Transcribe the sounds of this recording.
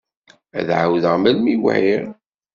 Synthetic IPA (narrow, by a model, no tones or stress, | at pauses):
æ̰ðʕa̰wðəʁməlmiw̰ʕiɾ